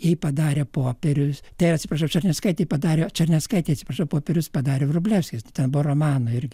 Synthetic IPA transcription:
jɛɪpɐd̪ɑːɾʲepoːpʲɛɾʲʊst̪ɐɪɐtʲsʲɪprɐʃɐʊt͡ʃʲɐɾʲnʲɛskɐɪt̪ʲeɪpɐd̪ɑːɾʲet͡ʃɐɾʲnʲɛskɐɪtʲeɛjɐt̪ʲsʲɪpɾɐʃɐʊpoːpʲɛɾʲʊspɐd̪ɑːɾʲerʊbʲlʲæʊsʲkʲɪst̪ʊt̪ʲɛnbʊʋoroːmɑːnoɪɾʲɡʲɪ

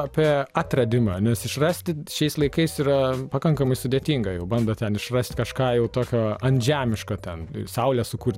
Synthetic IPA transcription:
ɐpʲiɛɑt̪ʲrɐd̪ʲɪmɐnʲɛsɪʃrɑsʲt̪ʲɪʃʲɛɪslˠɐɪkɐɪsiːɾɐpɐkɐŋkɐmɐɪsʊd̪ʲeːt̪ʲiŋɡɐjɛʊbɐnd̪ɐt̪ʲɛnɪʃrɐsʲt̪ʲkɐʃkɑːjɛʊt̪oːkʲoːɐnʲʒʲæːmʲɪʃkɐːt̪ʲɛnsɐʊlʲæsʊkuːɾʲ

